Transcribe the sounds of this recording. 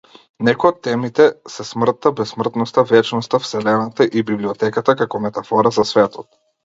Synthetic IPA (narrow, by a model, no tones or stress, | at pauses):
nɛkɔjɔt̪ːɛmit̪ɛsɛsmr̩t̪ːabɛsmr̩t̪nɔst̪avɛt͡ʃnɔst̪afsɛlɛnat̪aʔibibliɔt̪ɛkat̪akakɔmɛt̪afɔɾazasvɛt̪ɔt̪̚